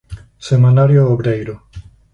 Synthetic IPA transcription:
semãnaɾjooβɾejɾʊ

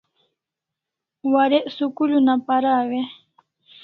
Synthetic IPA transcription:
waɾeʔsukulunapaɾawe

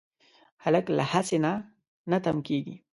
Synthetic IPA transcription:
halakla̰hasɪna | nat̪amkeːɡi

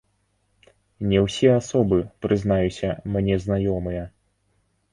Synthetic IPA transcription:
nʲɛwsʲɛasɔbɨpɾɨznajusʲɐ̰mnʲɛznajɔmɨjɐ

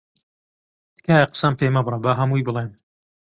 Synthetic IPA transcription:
d̪̥kaːjɐqə̥sɐmpeːmɐbrˤɐbɐɦɐmujbɨlˠem

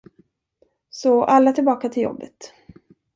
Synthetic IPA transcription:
sɔʔalːat̪ʰɪlbɑːkat̪ʰɪljɔ̰bːə̰t̪

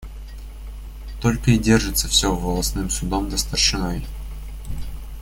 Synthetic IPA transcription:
t̪o̞lʲkəɪdʲe̞rʐɨt̪səfsʲovəlˠɐsnɨmsʊd̪omd̪əst̪ərʂɨnoj

